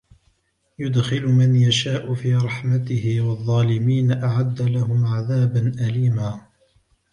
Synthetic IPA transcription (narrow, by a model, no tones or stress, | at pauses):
jʊd̪xɪlʊmanjaʃaːʔʊfiːɾˤɑħmat̪ɪhɪwɑðˤːɑːlɪmiːnaʔaʕad̪ːalaɦʊmʕaðaːbanʔaliːmaː